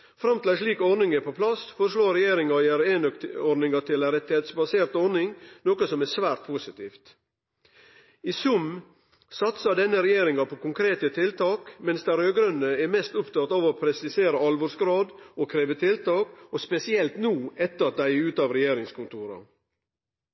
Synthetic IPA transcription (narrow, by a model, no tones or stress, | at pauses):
fɾɑmt̪ɪlæɪʂɭiːkɔɾnɪŋəpɔpʰlɑsfɔɾʂɭoːɾɛjeːɾɪŋɑæɾeːnk̪ɔɾnɪŋɑt̪ʰɪlɾɛt̪ːɪheːt̪sbɑseːɾt̪ɔɾnɪŋnoːkəsɔmɛsʋæːɾt̪̚pʰʊsɪt̪iːft̪ | isʉm | sɑt̪sɑd̪ɛnːəɾɛjeːɾɪŋɑpʰɔkʊŋkʰɾeːt̪ət̪ʰɪlt̪ʰɑːkmɛnsd̪æɪɾøːɡɾœnːəɛmɛst̪ʊpt̪ɑt̪ɑːʋɔpʰɾɛsɪseːɾəɑlʋɔsɡɾɑːd̪okʰɾeːʋət̪ʰɪlt̪ɑːkospɛsɪɛlt̪nuːɛt̪ːəɾɑt̪̚d̪æɪʉːt̪ɑːʋɾɛjeːɾɪŋskʊnt̪ʰuːɾɑ̰